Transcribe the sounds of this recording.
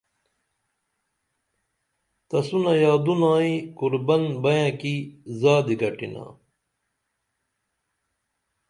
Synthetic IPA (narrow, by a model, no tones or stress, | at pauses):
t̪ɐsunɐjaːd̪unaːĩkuɾbɐnbɐjãːkizaːd̪iɡɐʈina̰ː